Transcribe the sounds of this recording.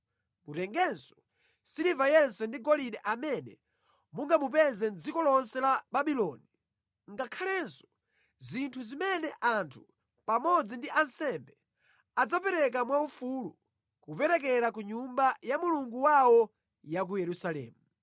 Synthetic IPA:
mutɛŋɡɛnsɔ̥ | silivajɛnsɛndiɡɔliɗɛʔamɛnɛ̰ | muŋɡamup̬ɛzɛnd͡zikɔlɔnsɛlabaɓilɔni | ŋɡakʰalɛnsɔ̥ | zintʰuzimɛnɛʔantʰu̥ | pamɔd͡zindiʔansɛmbɛ | ad͡zapɛɾɛk̬amwaufulu | kupɛɾɛk̬ɛɾak̬uɲumbajamuluŋɡuwawɔ | jak̬ujɛɾusalɛ̰ːmu

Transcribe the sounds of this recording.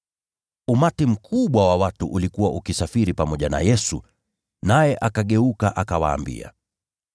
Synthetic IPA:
umatim̩kʰuɓwawawatuʔulikuwaʔukisafiɾipamɔʄana̰jɛsṵ | najɛʔakaɠɛukaʔakawa̰ːmbḭa̰

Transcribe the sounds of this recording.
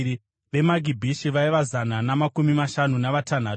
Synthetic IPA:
i | ʋe̞maɡʱibʱiʃiʋaiʋazananamakumimaʃanunaʋatan̤aː

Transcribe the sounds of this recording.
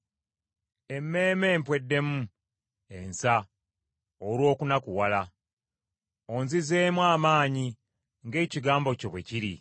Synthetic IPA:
e̞mːe̞ːme̞ːmpwe̞dːe̞mu | e̞nsa | oɾwo̞ːkunakuwala | oːnzize̞ːmwaːmaːɲi | ŋɡe̞ːciɡaːmbo̞co̞βwe̞ciɾi

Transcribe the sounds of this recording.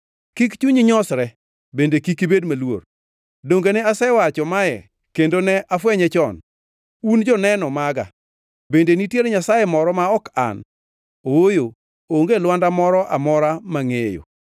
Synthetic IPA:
kikt͡ʃuɲiɲɔsɾɛ | bendekikibedmalwo̰r | doŋɡenɛasɛwat͡ʃɔmajɛ̰ | kendonɛʔafwɛɲɛt͡ʃɔn | und͡ʒɔnɛnɔmaɡa̰ | bendenitjeɾɲasajemɔɾɔmaɔka̰n | oojo | oŋɡelwandamɔɾɔʔa̰mɔɾamaŋejo̰

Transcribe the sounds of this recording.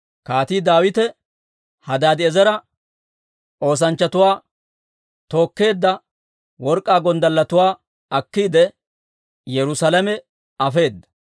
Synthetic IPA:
kaːt̪iːd̪aːwɪt̪ɛ | hɐd̪aːd̪ɪɛzɐɾɐ | ʔo̞ːs̬ɐnt͡ʃːɐt̪ʊwaː | t̪o̞ːkːe̞ːd̪ːɐ | wɔɾkʼːaːɡɔnd̪ɐlːɐt̪ʊwaː | ɐkːiːd̪ɛ | jɛɾʊsɐlɐmɛ | ɐfe̞ːd̪ːɐ̥

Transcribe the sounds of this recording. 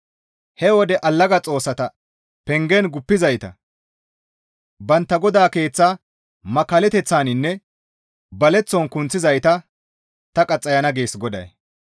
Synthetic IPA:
hɛwɔd̪ɛʔɐlːɐɡɐt͡sʼo̞ːsːɐt̪ɐ | pɛŋɡɛnɡʊpːɪzɐjt̪ɐ̰ | bɐnt̪ːɐɡɔd̪aːke̞ːt͡sːaː | mɐkːɐlɛt̪ɛt͡sːaːnɪnːɛ | bɐlɛt͡sːɔnkʊnt͡sːɪzɐjt̪ɐ | t̪ɐkʼɐt͡sʼːɐjɐnɐɡeːsɡɔd̪ɐ̰j

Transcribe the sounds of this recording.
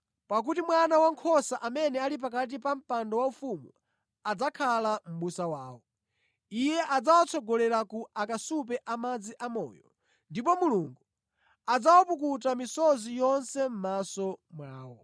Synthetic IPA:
pak̬utimwanawaŋkʰɔsaʔamɛnɛalip̬ak̬at̬ipam̩pandɔwaufumu | ad͡zakʰalam̩ɓusawaːwɔ | ijɛʔad͡zawat͡sʰɔɡɔlɛɾakuakasupɛʔamad͡ziʔamɔ̰ːjɔ | ndipɔmuluŋɡu | ad͡zawapuk̬utamisɔzijɔnsɛm̩masɔmwaːwɔ

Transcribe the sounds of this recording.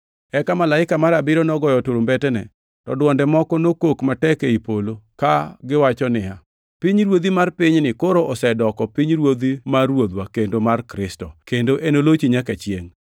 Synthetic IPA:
ɛkamalaɪkamaɾabɪɾɔnɔɡɔjɔtoɾombɛtɛnɛ̰ | tɔdwɔndɛmɔkɔnokokmatɛkeipolokaɡɪwat͡ʃɔnɪa | piɲɾwod̪imarpɪɲnɪkoɾoʔɔsɛdɔkɔpiɲɾwod̪imarwod̪wakendomarkɾɪstɔkendoʔenolot͡ʃiɲakɛt͡ʃjeŋ

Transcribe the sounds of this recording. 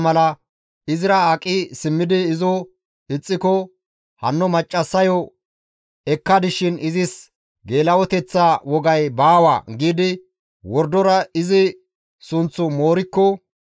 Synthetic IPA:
mɐlɐ | ɪzɪɾɐaːkʼːɪsɪmːɪd̪ɪːzɔ | ɪt͡sʼːɪkɔ | hɐnːɔmɐt͡ʃʼːɐsːɐjɔ | ɛkːɐd̪ɪʃɪnɪzɪs | ɡe̞ːlɐwɔt̪ɛt͡sːawɔɡɐjbaːwa̰ːɡiːd̪ɪ | wɔɾd̪ɔɾɐɪzɪ | sʊnt͡sːʊmo̞ːɾɪkːɔ

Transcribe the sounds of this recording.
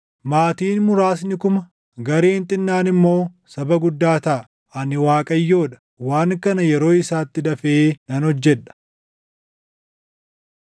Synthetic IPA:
maːt̪iːnmʊɾaːs̬nɪkʊmɐ | ɡɐɾeːnt̪ʼɪnːaːnɪmːo̞ː | sɐbɐɡʊd̪ːaːt̪ɐʔ | ɐnɪwaːkʼɐjːo̞ːᶑɐ̥ | waːŋkɐnɐjɛɾo̞ːɪsaːt̪ːɪd̪ɐfeːnɐnɔd͡ʒːɛᶑɐ̥

